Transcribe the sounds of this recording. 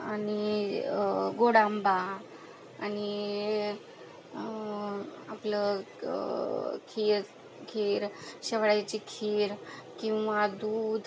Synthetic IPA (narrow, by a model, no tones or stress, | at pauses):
ani | ɡoɽambaː | ni | aplə | kʰiɾ | kʰiɾɕeʋɽajt͡ɕikʰiɾkĩw̃ʋad̪uːd̪ʱ